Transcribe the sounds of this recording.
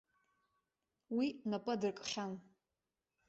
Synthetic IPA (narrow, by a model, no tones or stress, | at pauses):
winapʼadɨrkʼχʲan